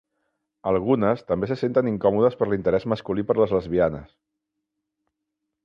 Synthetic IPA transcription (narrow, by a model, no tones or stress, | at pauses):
əlˠɣunəst̪əmbesəsent̪əniŋkɔmuðəspəɾlint̪əɾɛzməskulipəɾləzləzβianə̰s